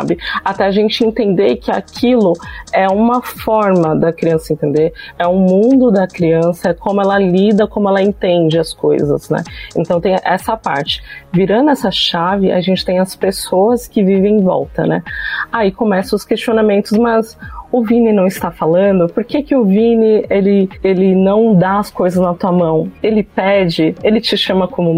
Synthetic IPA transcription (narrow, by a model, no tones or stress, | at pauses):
sa̰bɪat̪ɛaʒẽnt͡ʃɪẽnt̪ẽnd̪eɾkɪa̰kʰilʊɛũmɐfɔɾmɐd̪ɐkɾiɐ̃sɐẽnt̪ẽnd̪eɾɛũmũnd̪ʊd̪ɐkɾiɐ̃sɐkõmʊɛlɐlid̪ɐkõmʊɛlɐẽt̪ẽnd͡ʒɪɐsko̰jzɐ̰znɛ̰ḛ̃nt̪ɐ̃w̃t̪ẽj̃ʔɛsɐpa̰ɾt͡ʃɪ̥viɾɐ̃nd̪ʊɛsɐʃavɪʔa̰ʒẽnt͡ʃɪ̥t̪ẽj̃ɐspesoɐskɪvivẽj̃vɔ̰wt̪ɐ̰nɛ̰aikomɛsɐ̃ʊskest͡ʃionamẽnt̪ʊsmɐzʊvĩnɪnɐ̃w̃ɪst̪afalɐ̃nd̪ʊpʊɾkekɪʊvĩnɪelɪelɪnɐ̃w̃d̪aɐskojzɐznɐt̪uɐmɐ̃w̃elɪpɛd͡ʒɪelɪt͡ʃɪʃɐmɐkõmʊ